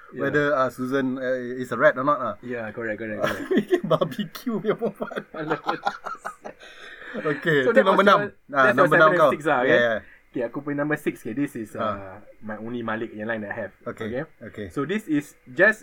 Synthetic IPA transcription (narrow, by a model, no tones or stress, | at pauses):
jwɛdəasuzə̃nitsəɹɛtɔnɔt̚ajakɔɹɛk̚kɔɹɛk̚kɔɛbabikʰjuwimɔfafalə | okeod̪ɛnɔ̃mbənãmanɔ̃mbənãmkasiksakjeaja | okeakupɔĩnãmbəsikskedisisamajõnlimalik̚ɛ̃lãj̃ndɛt̚hɛvokokeokesodisisd͡ʒas